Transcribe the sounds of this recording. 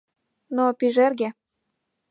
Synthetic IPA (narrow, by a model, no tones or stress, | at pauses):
nopiʒerɣe